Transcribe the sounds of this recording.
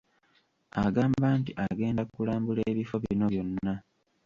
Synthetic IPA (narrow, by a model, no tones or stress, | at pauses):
aɡaːmbaːntiʔaɡe̞ːndakkulaːmbuleːβifo̞βino̞βjo̞nːa